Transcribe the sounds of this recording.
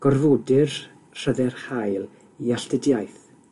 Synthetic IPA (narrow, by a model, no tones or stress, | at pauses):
ɡ̥ɔrvoːdɪr | r̥əðɛrhajlˠ | iaɬtɪdjajθ